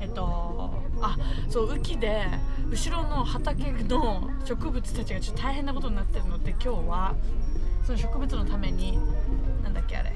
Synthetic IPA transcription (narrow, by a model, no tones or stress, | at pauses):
e̞t̪ːo̞ | aso̞ːɯ̟kʲid̪e̞ɯ̟ɕiɾo̞no̞hat̪ake̞ɡɯno̞ | ɕo̞kɯ̟bɯ̟t͡sɨ̥t̪at͡ɕiɡat͡ɕot̪ːot̪ʰaiɦenːako̞t̪oɲ̟inat̪ːe̞ɾɯ̟no̞t̪ːekʲo̞ːβa | so̞noɕo̞kɯ̟bɯt͡sɨno̞t̪ame̞ɲ̟inãnd̪akʲːe̞̰a̰ɾe̞̰